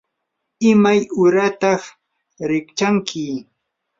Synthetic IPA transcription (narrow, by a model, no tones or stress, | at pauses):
ɪmajʊɾat̪ɑχ | ɾɪkt͡ʃaŋkʰɪ